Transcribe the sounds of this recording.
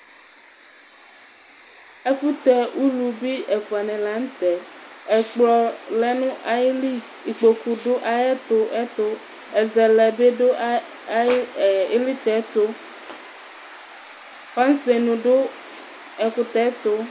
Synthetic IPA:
e˦ku˦t̪ɛ˨u˦lu˨bi˦ɛ˨fu˨a˨nɛ̃˨la˦ŋ̩˦t̪ɛ˨ | ɛ˨k͡plɔ˨lɛ˨nũ˦ʔa˨je˦li˦ | i˨k͡po˨ku˨ɖo˦ʔa˨je˦t̪o˦ʔɛ˦t̪o˦ | ɛ˨zɛ˨lɛ˨be˦ɖo˦˨ | e˦li˦t͡ʃɛ˦t̪o˦ | fa˦n˦se˨nũ˨ɖo˦ | ɛ˨ku˦t̪ɛ˦t̪o˦

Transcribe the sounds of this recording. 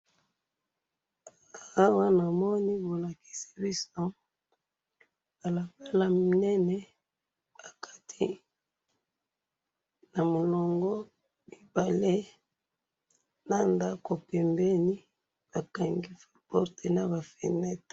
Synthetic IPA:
a˨a˦wa˦na˨mɔ˦ni˦bo˨la˨ki̥˨si̥˦bi˦sɔ˦ | ba˨la˨ka˦la˦m˨nɛ˦nɛ˦ | ba˨kʰa˦tʰi˦ | na˨mo˨lɔ˨ŋɡɔ˦ | mi˨ba˨le˦ | na˦nda˦ko˨pɛ˨mbɛ˦ni˦ | b̥a˨ka˨ŋɡi˦fa˦pɔ˦ʁte˨na˦ba˨fɛ̰˨nɛ˦t

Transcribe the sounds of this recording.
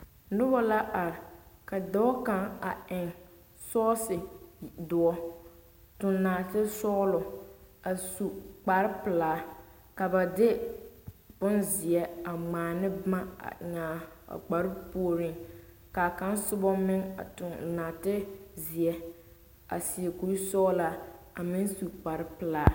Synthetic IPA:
nʊ˦bɔ˦la˦ʔa˨ɾɪ˨ka˨dɔ˦ka˦ŋa˨ɪ˨ŋ | sɔː˦sɪ˨dʊ˨ɔ˦ | tʊ˨nnaː˨tɪ˦sɔː˦lɔ˨a˨su˨k͡pa˨ɾɪ˦pɪ˨laː˨˦ | ka˨ba˨dɪ˦ | bʊ˦nzɪ˨ɛ˦a˨ŋ͡maː˨nɪ˦ma˦a̰˨ɲaː˨a̰˨k͡pa˨ɾɪ˦pu˦ɾɪ˨ŋ | ka˨ka˦nsʊ˦bɔ˦mɪ˦ŋa̰˨tʊ˨nnaː˨tɪ˦zɪ˨ɛ˨ | a̰˨sɪ˨e˨ku˨ɾi˦sɔː˦la˨a˨mɪ˦nsu˨k͡pa˨ɾɪ˦pɪ˨laː˨˦

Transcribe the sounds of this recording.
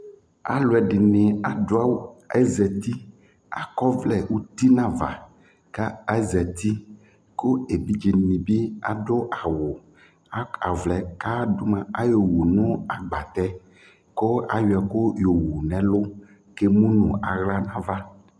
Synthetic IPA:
a̰˨lo˨ɛ˨ɖɪ˨nẽ˨a˨do˦a˦wo˦˨ɛ˦zɛ˨t̪i˦ | a̰˨kɔ˦vlɛ˨wu˦t̪i˦nã˦va̰˨ | ka˦ɛ˦zɛ˨t̪i˦ | ko˦e˨bi˦d͡ʒi˨nĩ˨bi˦a̰˨ɖo˦ʔa˨wo˨ | a˨a̰˨vlɛ˨ka˦do˦mã˨a˦jo˨wo˨nɔ̃˦a˨ɡ͡ba˨t̪ɛ˦ | ko˦a̰˨jo˨a˨ko˦jo˨wo˨nɛ̃˨lo˦ | ke˦mũ˦nũ˨a˨ɣla˦nã˦va˦

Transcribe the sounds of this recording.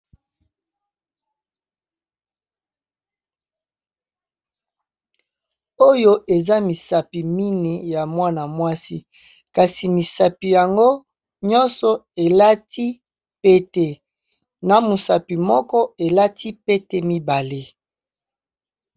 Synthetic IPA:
o˦jo˦ʔe˨za˦mi˨sa˨pi˨mi˦ne˨ja˨mwa˦na˨mwa˦si˦ | ka˨si˨mi˨sa˨pi˨ja˨ŋɡo˦ | ɲɔ̃˦nsɔ˨e˨la˦ti˦ | pe˦te˨ | na˨mu˨sa˨pi˨mɔ˦kɔ˦e˨la˦tʰi˦pe˦te˦mi˦ba˨le˦

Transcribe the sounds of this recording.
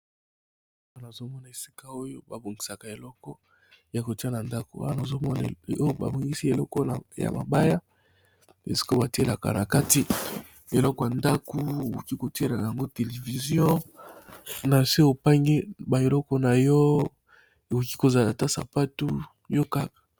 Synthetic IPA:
wa˦na˨zo˦mɔ˦na˨e˨si̥˦ka˦o˦jo˦ba˨bo˨ŋɡi˨sa˨ka˨e˨lɔ˦kɔ˦ | ja˨ko˨ti˦a˦na˨nda˦ko˨˦wa̰˦a˦na˨zo˦mɔ˦n˨o˦o˦ba̰˨bo˨ŋɡi˦si˦e˨lɔ˦kɔ˦˨ja̰˨ma̰˨ba˦ja˦ | e˨si̥˦ko˦ba˨ti˦e˦la˨ka̰˨na̰˨ka˦ti˦ | e˨lɔ˦kɔ˦ja˨nda˦ku˦o˨ko˨ki˦ko˨ti˦e˦la˨a˨ja˨ŋɡo˦te˨le˨vi˨zjɔ̃˦ | na˨se˦o˨pa˦ŋɡi˦ba˨e˨lɔ˦kɔ˦na˨jɔ˦ | e˨ko˨ki˦ko˨za˨la˨ta˦sa̰˨pa˦tu˦ | jo˦ka˦kḁ˨

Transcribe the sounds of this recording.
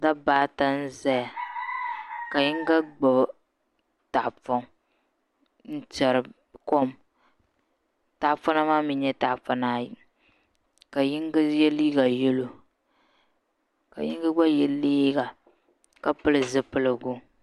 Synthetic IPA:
da˦baː˦ta˦n̩˦za˦ja˨ | ka˨ji˦ŋ˦ɡa˦ɡ͡ba˨b | ta˨ʔfɔ˦ŋ | n̩˦tɛ˨ɾɨ˨ | kɔ˦˨m | ta˨fa˦na˦maː˦mi˦ɲɛ˦ta˨fa˦na˨ | ka˨ji˦ŋɡa˦jɛ˦li˦ɡa˨jɛ˦lo˨ | ka̰˨ji˦ŋ˦ɡa˦ɡ͡ba˦jɛ˨liː˦ɡa˨ | ka˨pɨ˦lɨ˨zɨ˦pɨ˦lɨ˨ɡʊ˦

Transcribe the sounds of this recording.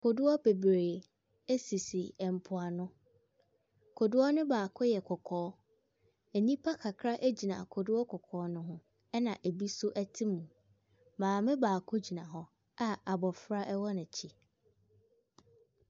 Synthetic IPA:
kʰo˨dʊ˦ɔ˦be˨bɾeː˨ | e˦si˨si˨ɛ˨m̩˨pʰʊ˨a˨nʊ̃˦ | kʰo˨dʊ˦ɔ˦nʊ̃˦baː˨kʰʊ˦jɛ˨kʰɔ˨kʰɔː˦ | e˨nĩ˦pʰa˦kʰa˨kʰɾa˦ʔe˦d͡ʑi˨nã̰˨kʰʊ˨dʊ˦ɔ˦kʰɔ˨kʰɔː˨˦nʊ̃˦ɦʊ̃˦ | ɛ˦nã˨ʔe˨bi˦sʊ˦ʔæ˦tʰi˦mũ˨ | mãː˨mɪ̃˦baː˨kʰʊ˦d͡ʑi˨nã˨ɦɔ˦ | a˦a˨bɔ˨fɾa˦ʔɛ˦wɔ˦nɪ̃˨t͡ɕʰi˦

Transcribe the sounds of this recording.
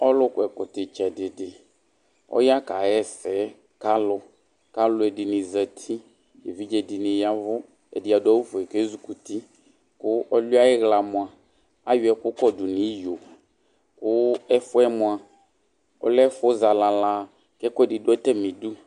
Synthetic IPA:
ɔ˦lʊ˦kʊ˨ɛ˨kʊ˨t̪ɪ˨t͡ʃɛ˨dɪ˨dɪ˨ | ɔ̰˦ja˦ka˨jɛ˦sɛ˨˦ | ka˦lʊ˨ | ka˦lʊ˨˦ɛ˨dɪ˨nɪ̃˨zɛ˨t̪ʰi˦ | je˨vi˦d͡ʒɛ˨dɪ˨nɪ̃˨ja˦vʊ˦ | ḛ˨di˨a˨dʊ˦a˦wu˦fʊ˨ɛ˨ke˦zu˨ku˨t̪i˦ | kʊ˦ɔ˦li˦a˦ɛ˦ɣla˨mʊ̃˨a˨ | a̰˦jʊ˨˦ɛ˨kʊ˦kɔ˦dʊ˨nĩ˨˦jo˨ | kʊ˦ɛ˦fʊ˦ɛ˦mʊ̃˨a˨ | ɔ̰˦lɛ˦fʊ˦za˨la˨la˦ | kɛ˦kʊ˦ɛ˨dɪ˨dʊ˦ɛ˦t̪ɛ˦mĩ˨du˦

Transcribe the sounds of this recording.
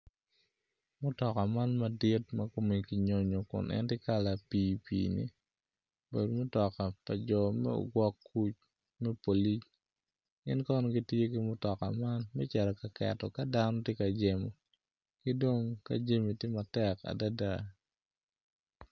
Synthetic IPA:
mʊ˦tɔ˨ka˨ma˦nma˨di˦tmɐ˦ko˦mi˨ki˨ɲo˦ɲo˨kʊ̰˨nʔɛ̰˦ntɪ˦ka˦la˨piː˨pḭːnḭ˦ | be˨do˨mʊ˦tɔ˨ka˨pa˨d͡ʒɔ˨mɛ̰˦o̰˨ɡwɔ˦kːu˦t͡ʃ | mɛ˦po˨li˦t͡ʃ | ɡɪ̰˦nkɔ˦nɔ˨ɡi˦tje˦ki˦mʊ˦tɔ˨ka̰˨ma˦nmɛ˦t͡ʃɛ˨ɾɔ˨ka˨kɛ̰˨tɔ˨ka˦da˦nɔ˦tje˦ka˨d͡ʒe˨mo̰˨ | ki˦do˦ŋka̰˦d͡ʒe˦mi˨tje˦ma˨tɛ˦ka̰˨da˦da˦˨

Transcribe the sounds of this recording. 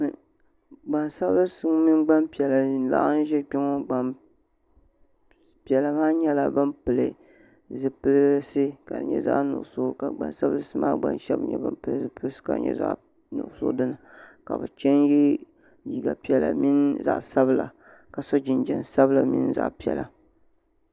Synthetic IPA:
ɡ͡ba˨nsa˦bɨ˦sɨ˦mi˦nɡ͡ba˦mpi˨ɛ˨la˨˦la̰˦ʔa˦n˦ʒɛ˦k͡pi˦ŋo˦ɡ͡ba˨m | pi˨ɛ˨la˨maː˦ɲɛ˦la˨bɨ˦mpɨ˨lɨ˨ | zɨ˦pɨ˦lsɨ˦ka̰˨dɨ̰˨ɲɛ̰˨za̰˦ʔnʊ̰˨ʔso˦ka˨ɡ͡ba̰˨nsa˦bɨ˦lɨ˦sɨ˦maː˦ɡ͡ba̰˦nʃɛ̰˦bɲɛ̰˦bɨ̰˦mpɨ˨lɨ˦˨zɨ˦pɨ˦lɨ˦sɨ̥˦ka̰˨ɲɛ̰˦za̰˦ʔ | nʊ̰˨ʔsʊ̰˦dɨ˦nɨ˨ka̰˨bɨ̰˨t͡ʃɛ˦nji˦ | ji˨ɡa˨pi˨˦ɛ˨la̰˨mi˦nza̰˨ʔsa˦bɨ˦la̰˨ | ka˨sɔ˦d͡ʒɪ˨nd͡ʒɛ˨nsa˦bɨ˦la˨mḭ˦n˦za̰˦˨ʔpi˨ɛ̰˨la˨

